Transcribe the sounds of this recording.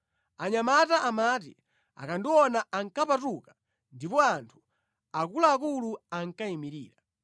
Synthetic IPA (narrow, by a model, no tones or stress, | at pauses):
aɲamataʔamatḭ | a̰kandiwɔnaaŋkapatukḁ | ndipɔantʰu̥ | akulaːkuluaŋ̩kaimiɾḭːɾa